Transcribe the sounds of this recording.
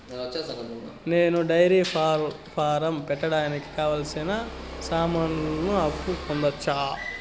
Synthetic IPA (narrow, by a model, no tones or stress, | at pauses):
neːnuɖɐjɾiːpaːɾ | pʰaːɾɐmpɛʈːɐɽaːniki̥kaːʋaːlɐsinasaːmannuɐpːukond̪ɐt͡ʃːaː